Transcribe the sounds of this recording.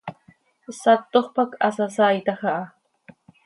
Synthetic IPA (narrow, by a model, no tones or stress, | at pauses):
sat̪ːoχpakʰasasajt̪aχɑʔ